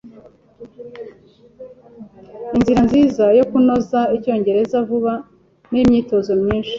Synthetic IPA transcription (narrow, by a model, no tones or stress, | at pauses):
inziɾanziːzajo̞kuno̞zaico̞ːɲɟe̞ɾe̞zavuβa | nimɲiːto̞zo̞mɲiːnʃi̥